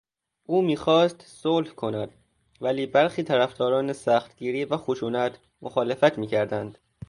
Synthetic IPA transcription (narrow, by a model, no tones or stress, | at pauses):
ʔuːmiːxɒːst̪soːlfkʰo̞næd̪̥ | væliːbæɾxiːt̪ʰæɾæfd̪ɒːɾɒːnesæxt̪ɡ̥iːɾiːvæxoʃuːnæt̪ʰ | moxɒːlefæt̪ʰmiːcʰæɾd̪ænd̪̥